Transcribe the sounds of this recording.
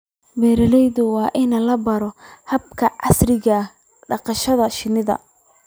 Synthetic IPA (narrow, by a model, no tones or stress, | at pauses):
bɛːɾɐlɛjðʊwɑːʔɪnɐlɐbɐɾɔhɐbkʰɐʕɑsrɪɣɐ | ɖɑqɑʃɐðɐʃɪnɪðɐ̰